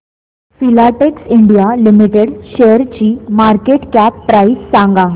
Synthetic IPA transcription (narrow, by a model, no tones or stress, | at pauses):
filaʈeksiɳɖijalimiʈeɽɕeəɾt͡ɕiːmaɾkeʈkæpːɾaissãŋɡa